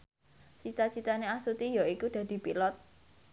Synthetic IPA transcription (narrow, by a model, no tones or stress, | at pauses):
t͡ʃit̪at͡ʃit̪aneasut̪ijaikud̪̥ä̤d̪̥i̤pilɔt̪̚